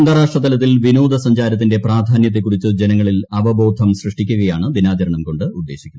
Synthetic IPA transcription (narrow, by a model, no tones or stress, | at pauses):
ɐŋɡɐɾaːʂʈrɐt̪ːɐlɐt̪ːilʋinoːd̪ʱɐsɐɲd͡ʑaːɾɐt̪ːinde̞praːd̪ʱaːnjɐt̪ːekːuɽit͡ɕːɨd͡ʑenɐŋːɐɭilɐʋɐbo̞ːd̪ʱɐmɕrɨʂʈikʲːuɣɐjaːɳɨd̪inaːt͡ɕɐɾɐɳɐmko̞ɳɖɨud̪ːeːɕikʲːuɐ